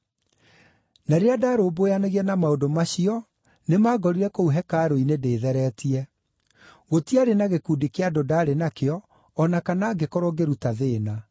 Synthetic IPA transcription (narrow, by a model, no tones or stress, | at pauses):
naɾeadaːɾoːbojaneɣiɛnamaodomaɕiɔ | nemaːɡɔɾiɾɛkouɦɛkaːɾoinedeːðɛɾɛtiɛ | ɣotiaɾenaɣekuːdekeadodaːɾenakeɔː | nakanaːɡekɔɾoɡeɾutaðeːna